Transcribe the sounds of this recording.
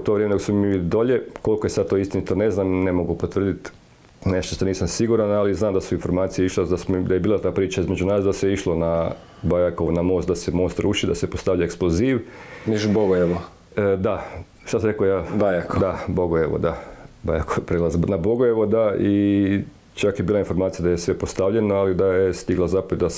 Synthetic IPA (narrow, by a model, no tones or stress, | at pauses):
ut̪oʋɾeːeoɡosmumimiilid̪oʎe̞ko̞likojesad̪̚t̪oist̪init̪one̞znamnemo̞ɡupot̪ʋr̩d̪it̪ | neʃt̪oʃt̪aniːsamsiɡuɾanaliznaːmd̪asuinfo̞ɾmaːt̪sijeiʃlad̪asmd̪ajebiːlˠat̪aːpɾiːt͡ʃaizme̞d͡ʒunaːsd̪aseiʃlˠona | bajakoʋnamo̞ːst̪d̪asemo̞ːst̪ɾuːʃid̪asepost̪aʋʎaeksplˠoziːʋmiʃuboɡojeʋo | d̪a | ʃt̪asamɾekojaːbajakod̪abo̞ɡojeʋo̰d̪abajakoʋpɾelˠaznabo̞ɡojeʋod̪ai | t͡ʃakjebiːlˠainfo̞ɾmaːt̪sijad̪ajesʋe̞post̪aʋʎe̞noalid̪ajest̪iɡlazapod̪as